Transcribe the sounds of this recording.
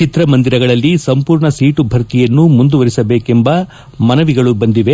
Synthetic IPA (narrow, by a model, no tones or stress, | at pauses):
t͡ʃit̪ɾɐmɐnd̪iɾɐɡɐɭɐlːisɐmpuːɾɳɐsiːʈubʱɐɾt̪ijɐnːumund̪uʋɐɾisɐbe̞ːke̞mbɐ | mɐnɐʋiɡɐɭubɐnd̪iʋe